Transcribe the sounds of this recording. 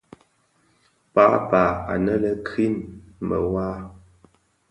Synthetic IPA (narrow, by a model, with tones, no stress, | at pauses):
pa˦pa˨a̰˨nə˦lə˨kʰi˦nmə̰˨waː˦